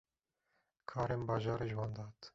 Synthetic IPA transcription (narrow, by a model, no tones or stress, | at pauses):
kʰɑːɾembɑːʒɑːɾʒwɑːnd̪ɑːt̪